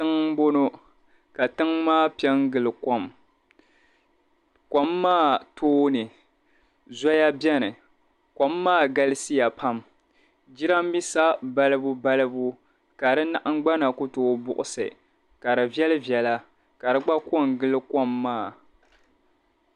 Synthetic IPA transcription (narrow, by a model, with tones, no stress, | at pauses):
tɨ˦ŋ˦bo˦no˦ | ka˨tɨ˦ŋmaː˦˨pi˦ɛ˦ŋ˦ɡɨ˨lɨ˨kɔ˦m | kʷa˨mːaː˦˨tʰoː˦nɨ˨ | za˦ja˦bjɛ˦nɨ˨ | kʷa˨mːaː˦˨ɡa˦lɨ˦si˦ja˨pʰa˦m | d͡ʒi˦ɾa˦m̩˦bi˦sa˦ba˦lɨ˦bu˦ba˦lɨ˦bu˦ | ka˨dɨ˦na˦ʔa˦ŋ˦ɡ͡ba˦na˨kʊ˦toː˦bʊ˦ʔʊ˨sɨ̰˨ | ka˨ɾɨ˨vjɛ˦lɨ˦vjɛ˨la˦ | ka˨ɾɨ˦ɡ͡ba˦ko˦˨ŋ˨ɡɨ˦lɨ˦ka˦mːaː˦˨